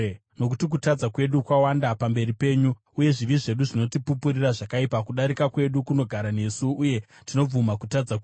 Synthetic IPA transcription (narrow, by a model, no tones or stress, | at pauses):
no̞k̬utik̬utad͡zakwe̞ɗukwawandapambe̞ɾipe̞ːɲu | uje̞ʐiʋiʐe̞ɗuʐino̞tipupuriraʐakaipakuɗaɾikakwe̞ɗukuno̞ɡʱaɾane̞suːje̞ | tino̞b͡vumakutad͡zakwe